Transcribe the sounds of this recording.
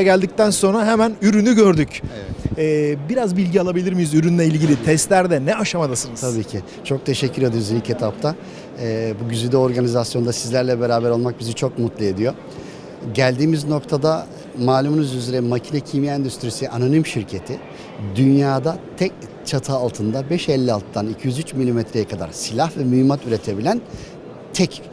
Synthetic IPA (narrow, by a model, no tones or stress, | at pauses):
ɟælʲd̪ic̚t̪ænso̞nɾaɦɛmænyɾynyɟø̞ɾd̪yc | ɛːbiɾazbilʲɟialˠabilʲiɾmijuzyɾynlʲɛilʲɟilʲit̪ʰɛst̪lʲæɾd̪ɛnɛaʃamad̪asɯnɯzt̪ʰabiːcʰɪ | t͡ʃʰo̞k̚t̪ʰe̞ʃɛcʰːyɾed̪ɯjuzilʲcet̪ʰap̚t̪ʰa | buɟyzyd̪ɛo̞ɾɡanizasjo̞nd̪asizlʲæɾlʲɛbeɾaːbæɾo̞lˠmak̚bizit͡ʃʰo̞k̚mut̪lˠɯe̞d̪ijo̞ | ɟælʲd̪iːmizno̞kt̪ʰad̪a | maːlʲumunuzyzeɾɛmacʰinɛcʰimijɛnd̪yst̪ɾisiʔananimʃiɾcʰe̞t̪ʰɪ | d̪ynjaːd̪at̪ʰɛc̚ | t͡ʃʰat̪ʰɯːlˠt̪ʰɯnd̪abɛʃɛlʲːialˠt̪ʰd̪anicʰijyzyt͡ʃmilʲimɛt̪ʰɾejɛkʰad̪a̰ɾsilʲahvɛmyimat̪yɾe̞t̪ʰe̞bilʲæn | t̪ʰɛc